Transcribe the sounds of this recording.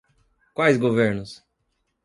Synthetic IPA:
kwajzɡoveɾnʊs

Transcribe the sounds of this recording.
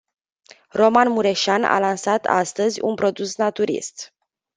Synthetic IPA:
ro̞manmuɾe̞ʃana̰lansat̪a̰st̪əzʲṵnpɾo̞d̪usnat̪uɾḭst̪

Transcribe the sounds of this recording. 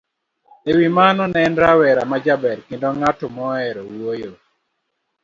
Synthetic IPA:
ewimanɔnɛndɾawɛɾamad͡ʒabɛɾkɪndɔŋatɔmɔɛɾɔwojo

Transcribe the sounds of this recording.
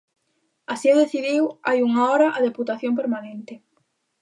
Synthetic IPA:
asioðeθiðiwajuŋaɔɾɐʔaðeput̪aθjomp̬eɾmanẽnt̪ɪ

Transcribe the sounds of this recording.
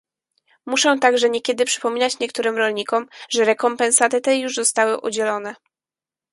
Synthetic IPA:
muʂɛ̃t̪aɡʐɛɲɛkʲɛd̪ɘpʂɘ̥pɔmʲinat͡ɕɲɛkt̪uɾɘmɾɔlɲikɔmʐɛɾɛkɔmpɛnsat̪ɘt̪ɛjuʐzɔst̪awɘʔṵd͡ʑɛlɔnɛ

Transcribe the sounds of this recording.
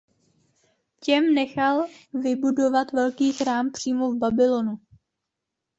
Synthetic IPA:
cɛmnɛxalvɪbudo̞vat̪vɛlkiːxɾaːmpr̝̥iːmovbabɪlo̞nu

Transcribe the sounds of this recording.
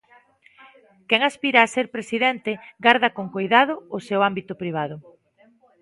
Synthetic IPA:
kɛŋaspiɾaːseɾpɾesiðɛnt̪eɡaɾðakoŋkojðað̞ʊːsewambit̪ʊpɾiβ̞aðʊ

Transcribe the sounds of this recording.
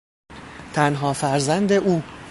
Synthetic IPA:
t̪ʰænɦɒːfæɾzænd̪e̞ʔuː

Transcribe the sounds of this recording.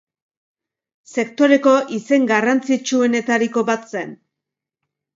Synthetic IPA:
se̞kt̪o̞ɾe̞ko̞ʔise̞ŋɡarant͡sit͡ʃue̞ne̞t̪aɾiko̞βat̪se̞n

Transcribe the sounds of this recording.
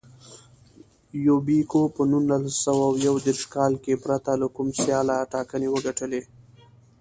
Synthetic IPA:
jobikopənunːalasawawjawd̪eɾʃkɑlkepɾat̪alakumsjɑlaʈɑkənewəɡaʈəle

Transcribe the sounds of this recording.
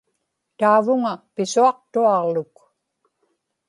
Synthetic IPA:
t̪aːvʊŋapɪsuɑq̚t̪uɑʁlʊk

